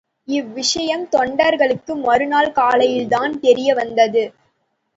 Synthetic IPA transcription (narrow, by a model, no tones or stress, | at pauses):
ɪʋːɪʂɐjɐmt̪ɔɳɖɐɾɣɐɭɯkːɯmɐɾɯnaːlkaːlɐjɪlt̪aːnt̪ɛɾɪjɐʋɐnd̪ɐðɯ